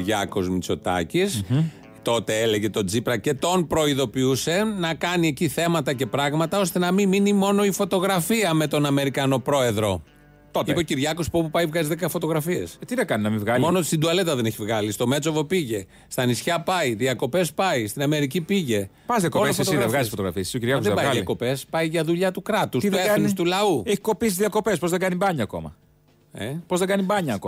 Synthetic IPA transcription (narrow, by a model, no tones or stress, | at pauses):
ɾʝɐko̞zmit͡so̞t̪ɐ̰cis | t̪o̞t̪e̞eleʝe̞t̪o̞d͡zipɾɐce̞t̪o̞npɾo̞iðo̞piuse̞nɐkɐnieciθe̞mɐt̪ɐce̞pɾɐɣmɐt̪ɐo̞st̪e̞nɐmiminimo̞no̞ifo̞t̪o̞ɣɾɐfiɐme̞t̪o̞nɐme̞ɾikɐno̞pɾo̞e̞ðɾo̞ | t̪otipociɾʝɐko̞spopupɐjvɣɐzizðekɐfot̪o̞ɣɾɐfie̞st̪iðɐkɐninɐmĩvɣɐmonot̪ist̪ind̪uɐle̞t̪ɐðe̞ne̞çivɣɐlist̪o̞me̞t͡so̞vo̞piʝe̞ | st̪ɐnisçɐpɐjðiɐko̞pe̞spɐist̪inɐme̞ɾicipiʝe̞ | pɐzðiɐkoest̪oiðevɣɐzisifot̪oɣɾɐ̰fiesisiociɾʝɐkozðebɐjɐko̞pe̞spɐjʝɐðuʎɐt̪ukɾɐt̪ust̪iðenist̪ulɐueçi̥ko̞pisizðiɐko̞pe̞spo̞zðeɡɐnibɐɲɐːko̞̰mɐ̰ | epo̞zðeɡɐnibɐɲɐko